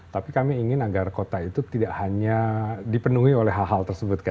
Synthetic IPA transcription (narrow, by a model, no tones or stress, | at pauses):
t̪apikamiːŋɪnaɡarkot̪ait̪ut̪idaʔhaɲadipənuɦiolɛɦaɦalt̪ərsəbʊt̪̚ka